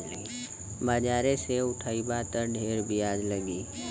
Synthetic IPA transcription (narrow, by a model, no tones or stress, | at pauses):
mad͡ʒaːɾeseʊʈʰaːibaːt̪əɾɖʱeːɾbʱiaːd͡ʒləɡiː